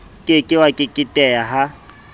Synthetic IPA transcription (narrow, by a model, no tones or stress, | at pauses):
kʼɪkʼɪwakʼɪkʼɪtʼɛjaɦa